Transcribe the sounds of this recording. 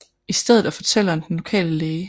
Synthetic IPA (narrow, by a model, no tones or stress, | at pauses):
isd̥eð̞ˠð̩ˠæfɒ̽t͡sʰel̰əɒnd̥enlo̝kʰɛ̰ːləleɪ